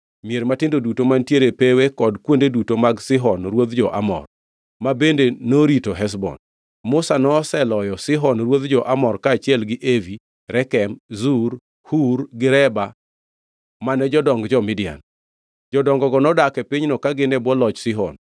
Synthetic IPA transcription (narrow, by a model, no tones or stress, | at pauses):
mieɾmatɪndodutomantjeɾepewekɔdkwondedutomaɡsɪɦɔnɾwod̪d͡ʒɔʔa̰mɔ̰r | mabendenoɾitoɦɛs̬bɔ̰n | mʊsanɔsɛlɔjɔsɪɦɔnɾwod̪d͡ʒɔʔamɔrkaːt͡ʃɪɛlɡɪʔevi | ɾɛkɛmzuɾ | huɾɡɪɾɛba | manɛd͡ʒɔdɔŋɡd͡ʒɔmɪdɪja̰n | d͡ʒɔdɔŋɡɔɡɔnɔdakɛpiɲnɔkaɡɪnɛbwɔlɔt͡ʃsɪɦɔ̰n